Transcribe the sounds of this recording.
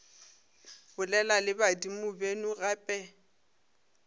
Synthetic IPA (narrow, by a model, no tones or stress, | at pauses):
bʊlɛlalɪbadimʊbenʊrapʼɛ